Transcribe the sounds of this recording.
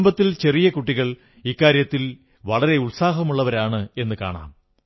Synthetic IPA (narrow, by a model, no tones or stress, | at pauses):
mbɐt̪ːilt͡ɕe̞rijɐkuʈːiɣɐɭ | ikːaːɾjɐt̪ːil | ʋɐɭɐɾe̞uɭsaːɦɐmuɭːɐʋɐɾaːɳɨe̞nːɨka̰ːɳa̰ːm